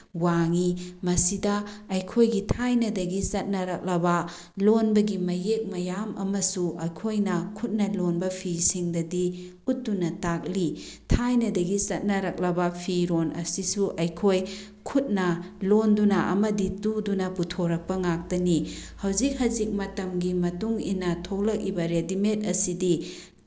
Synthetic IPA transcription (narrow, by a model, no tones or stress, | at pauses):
waŋimɐsidɐːjkʰojɡitʰajnɐdɐɡisɐt̚nɐɾɐk̚lɐbɐ | lonbɐɡimɐjek̚mɐjamɐ̰mɐsuɐjkʰojnɐkʰut̚nɐlonbɐpʰisiŋdɐdi | ut̚dunɐtak̚li | tʰajnɐdɐɡisɐt̚nɐɾɐk̚lɐbɐpʰiɾonʔɐ̰sisuʔɐjkʰoj | kʰut̚nɐ | londunɐʔɐ̰mɐditudunɐputʰoɾɐk̚pɐŋak̚tɐnihɐwzik̚hɐzik̚mɐtɐmɡimɐtuŋḭnɐtʰowlɐk̚ibɐɾedimet̚ɐsidi